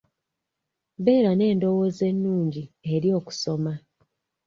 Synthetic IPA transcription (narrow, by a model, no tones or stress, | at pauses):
βe̞ːɾane̞ːndo̞woze̞nːuːɲɟie̞ɾjo̞ːku̥so̞ma